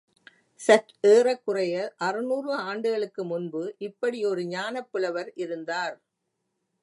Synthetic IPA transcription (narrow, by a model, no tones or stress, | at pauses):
sɐʈeːrɐkːʊrɐjɐʔɐrɯnuːrʋɐaːɳɖɯɣɐɭɯkːɯmʊnbɯʔɪpːɐɽɪɔɾɯɲaːnɐpːɪɭɐʋɐɾʔɪɾɯnd̪aːɾ